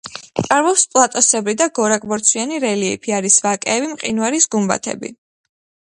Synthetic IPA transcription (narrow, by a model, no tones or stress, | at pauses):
t̪ʼaɾvɔpspʼlˠat̪ʼɔsɛbɾid̪aɡɔɾakʼbɔɾt̪sʰwianiɾɛliɛ̰pʰiaɾisvakʼɛːvimqʼinvaɾisɡumba̰t̪ʰɛ̰bḭ